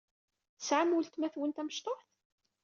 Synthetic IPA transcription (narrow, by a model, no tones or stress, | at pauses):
θəsʕamult̪mæθwənt̪æməʃt̪ˤoħθ